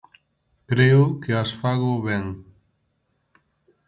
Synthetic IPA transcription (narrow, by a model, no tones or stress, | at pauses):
kɾeʊkeasfaɣʊβɛŋ